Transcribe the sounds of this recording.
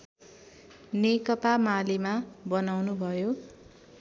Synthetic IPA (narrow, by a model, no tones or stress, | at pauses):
nekʌpamalimabʌnawnubʱʌjo